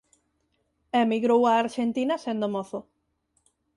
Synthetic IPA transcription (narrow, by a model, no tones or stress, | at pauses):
emiɣɾowaːɾʃent̪inɐsend̪omoθʊ